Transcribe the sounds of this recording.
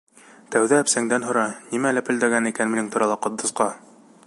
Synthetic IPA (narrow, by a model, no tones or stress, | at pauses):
t̪æwðæːpsæŋd̪ænɦŏɾɑnimælæpɘ̆ld̪æɡænikænmɘ̆nɘŋt̪ŏɾɑlˠɑqŏd̪ːŏsqɑ